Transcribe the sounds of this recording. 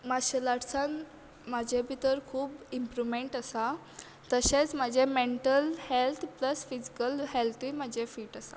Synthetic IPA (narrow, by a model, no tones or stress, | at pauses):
maɕəlaɽsãn | mad͡ʑʱebʱit̪əɾkʰuːbimpɾumeɳʈəsa | t̪əɕet͡smad͡ʑʱemeɳʈəlhelt̪ʰpləsfid͡ʑi̥kəlɦelt̪ʰimad͡ʑʱefiːʈəsa̰